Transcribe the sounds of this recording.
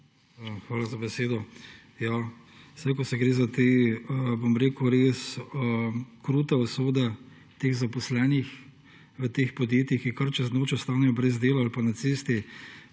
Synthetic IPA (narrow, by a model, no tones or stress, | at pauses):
xʋaːlazabɛseːd̪ɔ | jasɛjkɔsɛɡɾeːzat̪eːbomɾeːkuɾeːsəkɾuːt̪ɛɔsoːd̪ɛ | t̪eːɣzapɔslɛːnix | ʋət̪eːxpɔd̪jeːt̪jixikaɾt͡ʃɛznoːt͡ʃɛst̪aːnɛjɔbɾɛzd̪eːlaalpanat̪seːst̪i